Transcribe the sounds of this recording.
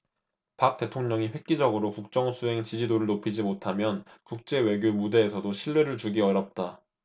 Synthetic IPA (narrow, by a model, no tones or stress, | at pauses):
pak̚t͈e̞tʰoŋɲʌŋiɸwek̚k͈id͡ʑʌɡɯɾokuk̚t͡ɕ͈ʌŋsʰuɦeŋt͡ɕid͡ʑidoɾɯɭnopʰid͡ʑimotʰamjʌnkuk̚t͡ɕ͈e̞we̞ɡjomude̞ːsʰʌdoɕʰiɭwe̞ɾɯɭt͡ɕuɡiʌɾjʌp̚t͈a